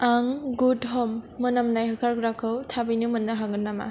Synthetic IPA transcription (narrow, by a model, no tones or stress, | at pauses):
aŋɡudɦɔmːɯnamnajɦakʰaɾɡɾakʰɯwtʰabijnumɯnːaɦaŋɡɯnːama̰